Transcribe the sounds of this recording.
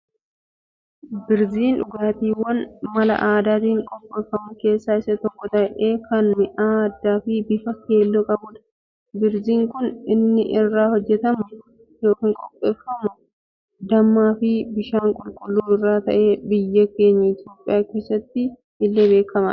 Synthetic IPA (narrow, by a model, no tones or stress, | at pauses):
bɪɾziːnᶑʊɡaːt̪iːwɐnmɐlɐ̰ʔaːd̪aːt̪iːŋkʼɔpʼːe̞ːfːɐmʊke̞ːsːaːɪsɐt̪ɔkːɔt̪ɐʔɛʔeːkɐnmɪʔaːɐd̪ːaːfɪbɪfɐke̞ːlːokʼɐbuːᶑ̪ɐ̥ | bɪɾziːŋkʊnɪnːɪʔɪrːaːhɔd͡ʒːɛt̪ɐmʊ | jo̞ːkiːŋkʼɔpʼːeːfːɐmʊ | d̪ɐmːaːfɪbɪʃaːŋkʼʊlkʼʊlːuːɪrːaːt̪ɐ̰ʔe̞ːbɪjːɐke̞ːɲːɐɪt̪jo̞ːpʼːɪjaːke̞ːsːɐt̪ːɪ | ɪlːe̞ːbe̞ːkːɐmɐ̰